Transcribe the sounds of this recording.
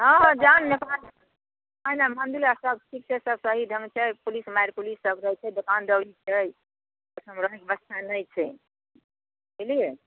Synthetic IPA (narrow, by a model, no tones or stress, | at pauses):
ɦə̃ɦd͡ʒanːepal | ɦəjnamand̪ulasəbsʰiksesəbsəɦid̪ʱə̃ŋɡt͡ʃʰɛjpulismajɾpulisːəbɾəjt͡ʃʰɛd̪okand̪əwɽit͡ʃʰɛj | əsəmɾəɦikbəst̪ʰanəjt͡ʃʰɛ | elie